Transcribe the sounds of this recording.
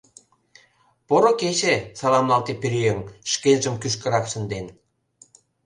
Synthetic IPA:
poɾoket͡ɕesɑlɑmlɑlt̪epiɾyjeŋʃkelʲʒə̆mkyʃ̬kə̆ɾɑkʃə̆nd̪en

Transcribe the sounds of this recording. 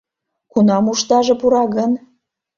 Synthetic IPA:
kunɑmuʃt̪ɑʒɤ̆puɾɑɣən

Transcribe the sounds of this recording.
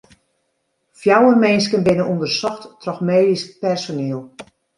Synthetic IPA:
fjawərmɛns̬kənbɪnənundərsɔxttrɔxmeːdispɛrsoneːəlˠ

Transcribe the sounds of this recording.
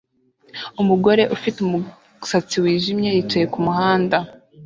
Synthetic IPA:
umuɡo̞ɾe̞ʔufitumu | sat͡siwiːʒimɲe̞jit͡ʃajekumuhaːnda

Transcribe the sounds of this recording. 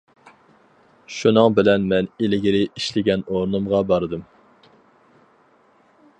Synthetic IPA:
ʃunɨŋbɪlɛnmɛnelɪɡʲiɾɪiʃlɪɡʲɛnoɾnɨmʁɑbɑɾɨd̪ɨm

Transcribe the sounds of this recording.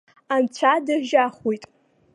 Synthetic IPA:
amt͡ɕʷʰadaʒaχujtʼ

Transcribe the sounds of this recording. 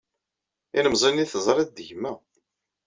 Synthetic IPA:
inəmzˤiniθəzˤɾˤɪd̪ʝmːæ

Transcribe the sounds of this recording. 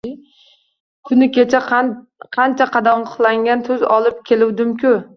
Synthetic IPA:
kʲʰʊnɪkʲe̞t͡ʃʰa | qʰɑnt͡ʃʰaqʰɑd̪amʊχlˠaŋɡʲant̪ʰɵzɒlˠɪp̚kʲʰe̞lɪwd̪ɪmkʲʰʊ

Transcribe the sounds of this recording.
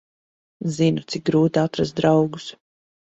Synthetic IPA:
zinut̪sik̚ɡɾuːt̪aat̪ɾazt̪̚d̪ɾawɡus

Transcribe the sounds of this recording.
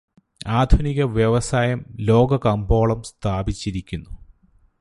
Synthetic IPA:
aːd̪ʱuniɣɐʋjeʋɐsaːjɐmlo̞ːɡɐkɐmbo̞ːɭɐmst̪ʰaːbit͡ɕːiɾikʲːunːu

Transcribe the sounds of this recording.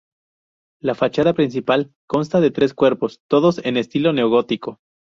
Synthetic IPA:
lafat͡ʃað̞apɾins̬ipal | ko̞nst̪aðe̞t̪ɾe̞skwe̞ɾpo̞st̪o̞ðo̞se̞ne̞st̪ilo̞ne̞oɣo̞t̪iko̞

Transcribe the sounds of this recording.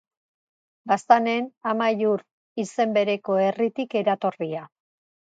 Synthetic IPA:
bast̪ane̞namajuɾ | ise̞mbe̞ɾe̞ko̞e̞rit̪ike̞ɾat̪o̞ria

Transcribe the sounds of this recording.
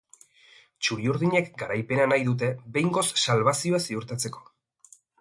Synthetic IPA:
t͡ʃuɾiuɾðiɲekɡaɾajpe̞nanajðut̪e̞βe̞jŋɡo̞sːalβasio̞asiuɾt̪at͡se̞ko̞̥

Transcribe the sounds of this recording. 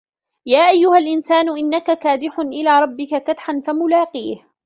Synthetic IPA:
jaːʔajːʊhalʔɪnsaːnʊʔɪnːakakaːd̪ɪħʊnʔɪlaːɾˤɑbːɪkakat̪ħanfamʊlaːqiːh

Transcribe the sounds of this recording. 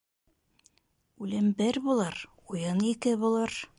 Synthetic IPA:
ʉlɘmbɘɾbulˠɑɾ | ujɤnikɘbulˠɑɾ

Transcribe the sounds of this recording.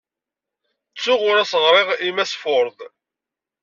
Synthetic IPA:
t͡sːʊʁʊɾæsəʁɾˤeʁimæsfʊɾðˤ

